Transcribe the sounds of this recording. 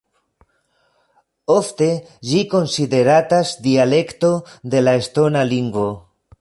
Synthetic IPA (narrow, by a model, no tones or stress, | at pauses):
o̞fte̞ | d͡ʒiko̞nside̞ɾatasdiale̞kto̞d̪e̞lae̞sto̞naliŋɡvo̞